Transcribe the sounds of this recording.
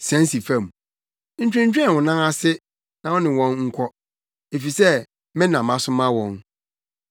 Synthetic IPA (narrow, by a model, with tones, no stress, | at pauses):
sæ̃˨˦n˦si˨fã˦˨m˨ | n̩˨t͡ɕᶣɪ̃˦ɲ̩˦t͡ɕᶣɛ̃˦˨wʊ̃˨nã˦ŋa˦sɪ˦ | nã˨wɔ̃˦nɪ̃˨wɔ̃˦nŋ̩˦kʷʰɔ˦ | e˨fi˨sɛ˦ | mɪ̃˦nã˨mã˦sʊ˦mã˦wɔ̃˨n